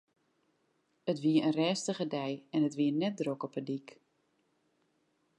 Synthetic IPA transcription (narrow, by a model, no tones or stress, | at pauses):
ətʋiəənrɛːstəχədɛjɛnətʋiənɛt̚drokɔpədik